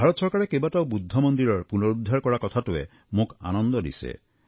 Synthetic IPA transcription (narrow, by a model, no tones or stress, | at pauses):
bʱaɾɔt̪ɔsɔɾkaɾekebatawbud̪ʱːɔmɔnd̪iɾɔɹpunɔɾud̪ʱːaɾkɔɹakɔt̪ʰatuḛ | moka̰nɔnd̪ɔdḭsḛ